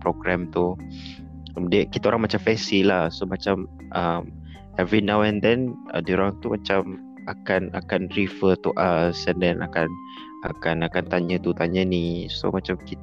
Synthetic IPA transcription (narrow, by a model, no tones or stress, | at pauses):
pɾoɡɾɛmt̪u | mdiəkit̪aoɾaŋmat͡ʃamfɛsilahsomat͡ʃam | ʔam | ɛvɾinawɛnd̪ɛnə̰dioɾaŋt̪umat͡ʃam | akana̰kanɾifət̪uʔasɛndɛna̰kan | ʔa̰kanakant̪aɲãt̪ut̪aɲaniso̰mat͡ʃamkit̪